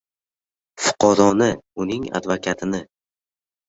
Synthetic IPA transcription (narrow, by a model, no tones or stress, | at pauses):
fʊ̥qʰɑɾɒnɪʊnɪŋa̰d̪vakʲʰat̪ʰɪnɪ